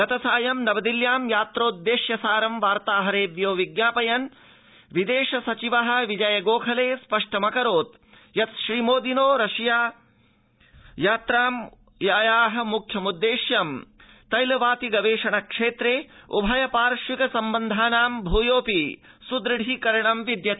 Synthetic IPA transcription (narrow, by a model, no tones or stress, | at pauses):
ɡɐt̪ɐsaːjɐmnɐbɐd̪iljaːmjaːt̪ɾoːt̪̚d̪eːʃjɐsaːɾɐmʋaːɾt̪aːɦɐɾeːʋ̪joːʋiɡjaːpɐjɐn | ʋid̪eːʃɐsɐt͡ʃiʋɐɦɐ̆ʋid͡ʒɐjɐɡoːkʰɐleːspɐʂʈɐmɐkɐɾoːt̪ | jɐt̪ʃɾiːmoːd̪inoːɾɐʃjaː | jaːt̪ɾaːm | jaːjaːɦɐ̆mukʰjɐmud̪ːeːʃjɐm | t̪ɐjlɐʋaːt̪iɡɐʋeːʂɐɳɐkʂeːt̪ɾeːṵbʱɐjɐpaːɾʃʋikɐsɐmbɐnd̪ʱaːnaːmbʱuːjoːpisud̪ɾɨɽʱikɐɾɐɳɐmʋid̪jɐt̪i